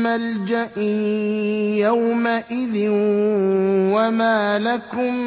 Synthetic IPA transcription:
mald͡ʒaʔi | jawmaʔɪðɪn | wamaːlakʊm

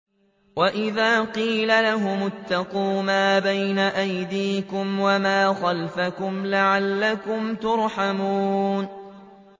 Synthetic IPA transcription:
waʔɪðaːqiːlalaɦʊmʊt̪ːɑquːmaːbajnaʔajd̪iːkʊmwamaːxalfakʊmlaʕalːakʊmt̪ʊɾˤħamuːn

